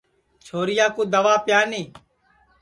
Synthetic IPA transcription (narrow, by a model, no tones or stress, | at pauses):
t͡ʃʰoːɾɪjaːkuːd̪əʋaːpjaːniː